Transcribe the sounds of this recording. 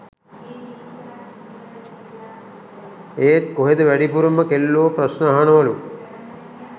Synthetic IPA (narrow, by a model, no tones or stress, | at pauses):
eːt̪̚koɦed̪əʋæɖipuɾuməkelːoːprɐsnəaɦaɳɐʋɐlu